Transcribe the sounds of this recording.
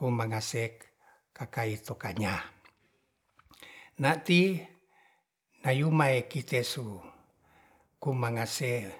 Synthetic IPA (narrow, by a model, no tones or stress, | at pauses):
kumaŋase | kakait̪okaɲa | nat̪i | najumaekit̪esu | kumaŋase